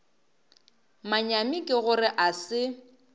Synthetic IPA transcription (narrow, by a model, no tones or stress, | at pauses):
maɲamikʼɪɣʊrɪʔasɪ